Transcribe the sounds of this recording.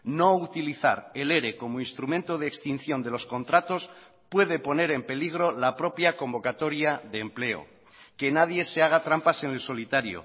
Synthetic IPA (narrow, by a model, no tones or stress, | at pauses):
no̞ut̪iliθa̰ɾe̞le̞ɾe̞ko̞moinst̪ɾumẽnt̪o̞ð̞eeːkst̪in̟θjo̞nd̪e̞lo̞sko̞nt̪ɾat̪o̞s | pwe̞ðe̞po̞ne̞ɾe̞mpe̞liɣ̞ɾo̞lapɾo̞pjakõ̞mbo̞kat̪o̞ɾjaðeːmple̞o̞̰ | ke̞nað̞je̞se̞aɣ̞at̪ɾampase̞nelso̞lit̪aɾjo̰